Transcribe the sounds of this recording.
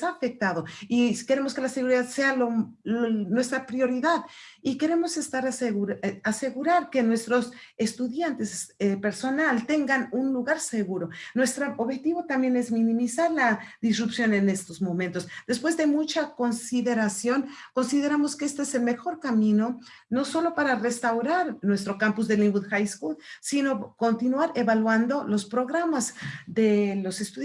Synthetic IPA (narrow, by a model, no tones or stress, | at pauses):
afe̞k̚t̪aðo̞ike̞ɾe̞mo̞ske̞lase̞ɣuɾiðaðse̞alo | nwe̞st̪ɾapɾjo̞ɾiðaðike̞ɾe̞mo̞se̞st̪aɾeɾase̞ɣuɾaɾke̞nwe̞st̪ɾo̞se̞st̪uðjant̪e̞sepe̞ɾso̞nalt̪e̞ŋɡanunluɣaɾse̞ɣuɾo̞nwe̞st̪ɾoʔoβxet̪iβo̞t̪ambje̞ne̞zmĩnĩmisaɾlaðisrupsjo̞ne̞ne̞st̪o̞zmõ̞mẽnt̪o̞sd̪̥e̞spwe̞zðe̞mut͡ʃako̞nsiðe̞ɾasjonko̞nsiðe̞ɾamo̞skeest̪oese̞lme̞xo̞ɾkamĩno̞ | no̞so̞lo̞paɾare̞st̪awɾaɾnwe̞st̪ɾo̞kampuzðelĩŋɡuðxajskuðsino̞ko̞nt̪inwaɾe̞βalwand̪o̞lo̞spɾo̞ɣɾamazðe̞lo̞se̞st̪u